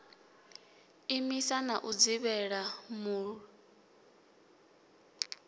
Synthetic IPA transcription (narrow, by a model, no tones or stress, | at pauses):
imisanaʔud͡ziβɛɺamu